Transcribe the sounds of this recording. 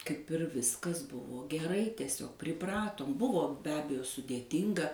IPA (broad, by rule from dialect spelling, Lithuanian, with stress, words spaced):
kɐɪp ɪr ˈʋʲɪskɐs ˈbʊʋoː ɡʲɛˈrɐɪ tʲiɛˈsʲoːk pʲrʲɪˈprɑːtoːm ˈbʊʋoː bʲɛ ˈɑːbʲɛjoː sʊdʲeːˈtʲɪŋɡɐ